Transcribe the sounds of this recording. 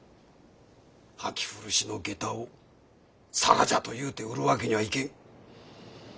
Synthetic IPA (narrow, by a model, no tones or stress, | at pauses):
hakʲi̥ɸɯɾɯ̟ɕino̞ɡe̞t̪ao | sa̰ɾad͡ʑat̪o̞jɯ̟ːt̪e̞ɯɾɯ̟βake̞ɲiβaikẽ̞ŋ